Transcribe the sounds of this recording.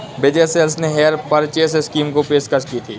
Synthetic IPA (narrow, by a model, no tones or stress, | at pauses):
bed͡ʒeːselsneɦeːəɾpɐɾt͡ʃeːseskiːmkopeːʃkɐɾʃkit̪ʰiː